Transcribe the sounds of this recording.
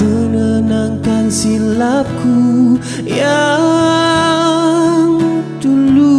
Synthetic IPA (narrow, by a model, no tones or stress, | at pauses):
ənənaŋkansilakʰu | ja | ŋd̪ulu